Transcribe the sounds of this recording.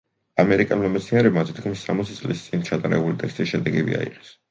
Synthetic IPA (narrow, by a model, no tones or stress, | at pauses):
amɛɾikʼɛlˠmamɛt̪sʰniɛɾɛbmazd̪t̪ɡmisːamɔt̪sʰitsʼlist̪sʼint͡ʃʰat̪ʼaɾɛ̰bulit̪ʼɛkst̪ʼiʃɛd̪ɛɡɛbḭa̰ḭqʼɛ̥s